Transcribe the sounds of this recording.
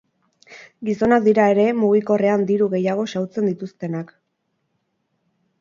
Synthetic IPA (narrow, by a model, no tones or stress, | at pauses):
ɡiso̞nak̚d̪iɾae̞ɾe̞muɣ̞iko̞re̞and̪iɾuɣe̞jaɣ̞o̞sawt͡se̞nd̪it̪ust̪e̞nak